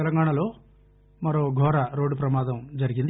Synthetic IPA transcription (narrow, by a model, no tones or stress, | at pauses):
ɛlɐŋɡaːɳɐlo̞ː | mɐɾo̞ːɡʱɔːɾɐɾoːɖupɾɐmaːd̪ɐmd͡ʒɐɾiɡind̪